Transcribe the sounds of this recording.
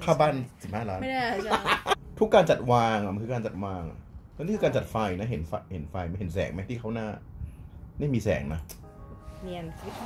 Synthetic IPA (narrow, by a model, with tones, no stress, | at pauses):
kʰaː˥˩baː˥˩nsi˨˩p̚haː˥˩laː˦˥n | t̪ʰu˦˥kːaː˧nt͡ɕa˨˩t̪̚waː˧ŋa˨˩ma˧nkʰɯː˧kaː˧t͡ɕa˨˩waː˧ŋa̰˨˩˧ | niː˥˩kʰːɯː˧kːa˧nt͡ɕa˨˩t̪̚fa˧jna˦˥ɦe˩˦nfa˧he˩˦nfa˧jma˧nɦe˩˦nsɛ̰ː˩˦ŋma˦˥t̪ʰiː˥˩kʰa˦˥wnaː˥˩ | naː˥˩jmiː˧sɛ̰ː˩˦ŋna˦˥ | ni˧nʰ˦